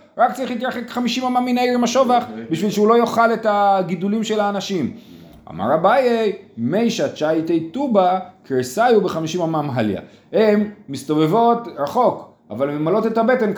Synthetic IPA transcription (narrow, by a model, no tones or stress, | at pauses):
ʁaktt͡saʁiχlit̪̬jaχekχamiʃimamamːinaʁimaʃo̞vaχbiʃvilʃeulo̞joχale̞taɡidulimʃe̞laːnaʃim | a̰ma̰ʁabajejmejʃat͡ʃajtejtubakʁesajubeχamiʃimamamɦalj̰a̰hemːist̪o̞ve̞vo̞tʁaχo̞k | a̰valmemalote̞thabe̞te̞nk